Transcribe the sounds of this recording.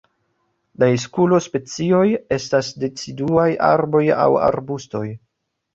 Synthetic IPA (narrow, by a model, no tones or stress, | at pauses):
lais̬kulo̞spe̞t͡sio̞je̞stasde̞t͡siduajʔa̰ɾbo̞ja̰wa̰ɾbusto̞j